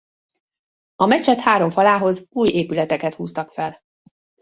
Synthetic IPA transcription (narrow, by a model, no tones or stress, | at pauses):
ɒmɛt͡ʃɛt̪haːɾo̞ɱfɒlaːɦo̞zuːjeːpylɛt̪ɛkɛt̪huːst̪ɒkfɛl